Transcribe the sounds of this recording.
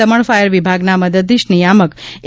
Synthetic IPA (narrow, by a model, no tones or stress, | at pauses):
əməɳ̃fajəɾʋibʱaɡnaməd̪əd̪ːiʃnijamək